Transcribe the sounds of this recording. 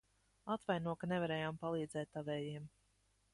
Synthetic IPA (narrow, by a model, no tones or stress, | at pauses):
at̪vajnuɔkanevaɾɛːjaːmpalˠiːd̪zɛːt̪ːavɛːjiɛm